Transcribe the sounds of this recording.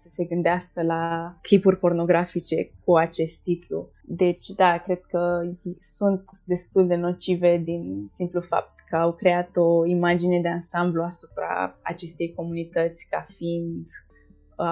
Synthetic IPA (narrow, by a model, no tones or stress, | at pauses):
səse̞ɡɨnd̪easkəlaklipurʲpo̞rno̞ɡɾafit͡ʃe̞kʰuat͡ʃe̞st̪ːit̪lṵ | d̪e̞t͡ʃʲd̪akɾe̞d̪̥̚kəsunt̪d̪e̞st̪uld̪e̞no̞t͡ʃive̞d̪insimplufa̰p̚t̪kəawkɾe̞at̪o̞imad͡ʒine̞d̪e̞ansambluasupɾa̰a̰t͡ʃe̞st̪e̞jko̞munit̪ət̪sʲkafind̪